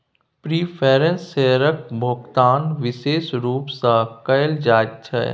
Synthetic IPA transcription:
pɾiːpʰeːɾẽnsːeːɾəkbʱoɡt̪aːnʋɪʃeːsɾuːpsakɐjld͡ʒaːd͡ʒt͡ʃʰɐ̰

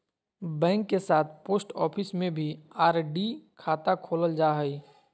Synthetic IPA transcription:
bɛ̃ːŋkːesaːt̪ʰpoːsʈɔ̰ːpʰɪsmẽbʱiaːɾɖikʰaːt̪akʰoːləld͡ʒaːɦəi

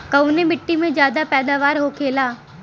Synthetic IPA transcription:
kɐwnebɪʈːimẽd͡ʒjaːd̪apɛːd̪aːʋaːɾɦokʰeːlaː

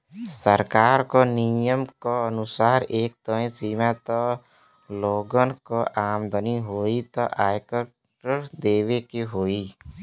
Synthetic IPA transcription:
səɾkaːɾkonijəmkoənʊsaːɾeːk̚t̪əĩsiːmat̪ɔ | loːɡənkoʔaːmd̪əniɦoːit̪ɔʔaːɪkəɾ | ʈəɾd̪eːwekiɦoːi

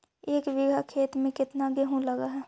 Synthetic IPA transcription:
eːkʋɪɡʱakʰeːt̪mẽkɪt̪naɡɛɦũlɐɡaɦɛː

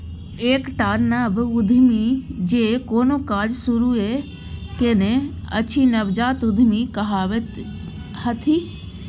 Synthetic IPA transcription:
eːkʈaːɾnabʊd̪ʱmid͡ʒeːkoːnokaːd͡ʒsʊɾue | kenẽɐ̰t͡ʃʰinɐbd͡ʒaːt̪ʊd̪ʱmikɐɦaʋe | hɐt̪ʰi

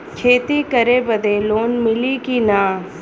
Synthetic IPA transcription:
kʰeːt̪ikɐɾebɐd̪eloːnmɪlikinaː

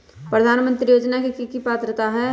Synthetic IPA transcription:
pɾəd̪ʱaːnmə̃nt̪ɾijoːd͡ʒnakikikipaːt̪ɾət̪aɦɛ

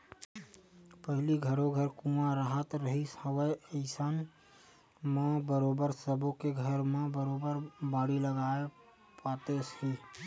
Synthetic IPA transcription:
pəɦɪliɡʱəɾõɡʱəɾkumaɾaɦət̪ɾəɦishəʋəəɪsan | mẽbəɾoːbəɾsəbokeɡʱəɾmẽbəɾoːbəɾbaːɽiləɡae | pat̪esi

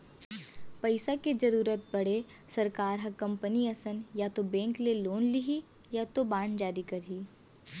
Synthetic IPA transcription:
pɐɪsaked͡ʒɐɾuːɾət̪̚bɐɽ̤esɐɾkaːɾɦɐkɐ̃mpəniɐsənjat̪obɛ̃ːŋkleloːnliɦi | jat̪obaːɳd͡ʒaːɾikɐɾɦiː

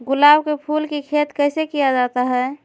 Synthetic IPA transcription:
ɡʊlaːbkepʰulkikʰet̪kəɪsekijad͡ʒat̪aɦɛː

